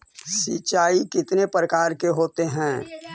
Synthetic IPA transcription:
sit͡ʃaːikɪt̪nepɾəkaːɾkeɦoːt̪eɦɛ̃ː

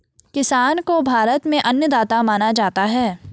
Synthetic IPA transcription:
kɪsaːnkobʱaːɾət̪mẽʔɐnjəd̪aːt̪amaːnad͡ʒaːt̪aɦɛː

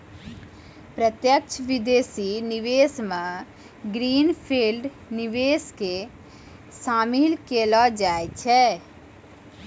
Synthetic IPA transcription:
pɾət̪jək̚t͡ʃʰʋɪd̪eːsinɪʋeːsmã | ɡɾiːnpʰiːlɖ | nɪʋeːske | saːmilkeːlɔd͡ʒaːet͡ʃʰɛ

